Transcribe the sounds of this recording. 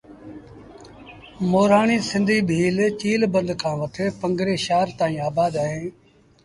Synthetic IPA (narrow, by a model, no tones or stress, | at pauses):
moːɾaːɳiːsɪ̃nd̪ʱiːbʱiːlt͡ʃiːlbə̃nd̪kʰãːʋət̪ʰeːpəŋɡɾeːʃaːɾt̪aːĩːaːbaːd̪aːɦẽː